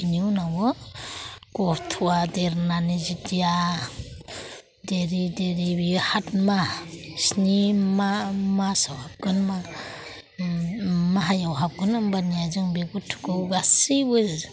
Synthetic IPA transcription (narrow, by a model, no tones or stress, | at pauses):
ininawɯ | ɡ̥ɔtʰuwadeɾnanizidija | deɾideɾibihat̚masnimamasawhap̚ɡɯnma | maɦajawɦap̚ɡɯnɯmbanijazɯŋbeɡutʰu̥kɯwɡasibɯz